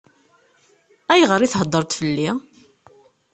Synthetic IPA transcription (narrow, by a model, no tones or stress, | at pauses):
æjʁəɾiθɦəd̪ˤːəɾˤt̪fəlːi